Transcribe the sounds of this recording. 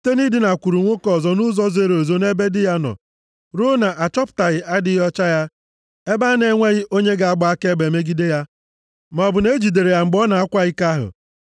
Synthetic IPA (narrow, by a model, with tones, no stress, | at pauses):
te˦ni˦dɪ˨na˨kʷu˨ɾu˨ŋʷo˦kɔ˨zɔ˨nʊ˦zɔ˦ze˦ɾo˨zo˨ne˦be˦dɪ˦ja˦nɔ̰˨ | ɾo˦na˨ʔa˨t͡ʃɔ˦pʊ̥˨ta˨ɣɪ˨ʔa˦dɪ˦ɦɔ˦t͡ʃa˦ja˦ | e˦ba˦ne˨˦ŋʷe˦ɣɪ˦ʔo˦ɲe˦ɡa˨a˦ɡ͡ba˨˦a˦ke˦ɡ͡be˨me˦ɡi˦de˦ja˦ | m˨ɔ˨bʊ˨ne˦d͡ʒi˨de˨ɾe˨ja˨ŋ͡m̩˨ɡ͡bɔ˦na˨a˦kʷa˦ɣɪ˦ka˦ɦʊ̰˨